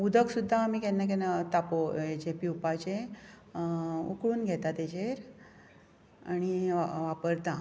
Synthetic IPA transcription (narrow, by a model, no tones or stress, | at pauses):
ud̪ʱəksud̪ʱːaːmikenːak̬enat̪apoed͡ʑepiupat͡ɕe | ṵkɭuːnɡʱɛt̪at̪ed͡ʑeɾ | añiʋapəɾt̪ã